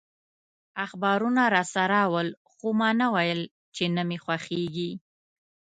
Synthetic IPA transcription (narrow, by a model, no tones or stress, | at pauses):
axbɑɾunaɾɑsaɾɑwəl | xomɑnawajəl | t͡ʃenəmexwaxeɡi